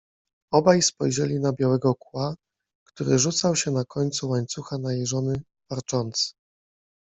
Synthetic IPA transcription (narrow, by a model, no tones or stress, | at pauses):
ɔbajspɔjʐɛlʲinabʲjawɛɡɔkwa | kt̪uɾɘʐut̪sawɕɛnakɔɲt̪suwaɲt̪suxanajejʐɔnɘ | vaɾt͡ʂɔnt̪sɘ̥